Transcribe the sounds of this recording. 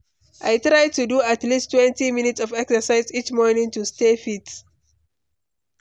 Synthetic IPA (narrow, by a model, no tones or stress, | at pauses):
ʔajtɹajd̚tuduatlistːwɛ̃ntiminitsɔvɛksəsaɪzit͡ʃmɔɹnĩŋtustefit